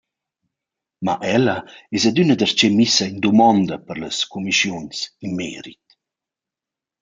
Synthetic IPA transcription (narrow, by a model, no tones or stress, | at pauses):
ma̰ʔɛlɐɛsad̪ynəd̪ərt͡ʃemisɐind̪umɔnd̪ɐpəɾləskumiʃjunsinmɛ̰ːɾḭt̪